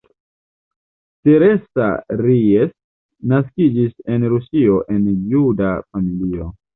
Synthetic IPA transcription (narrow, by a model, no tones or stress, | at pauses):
te̞ɾe̞sa̰ɾies | naskid͡ʒise̞nɾusio̞ʔe̞njudafamilio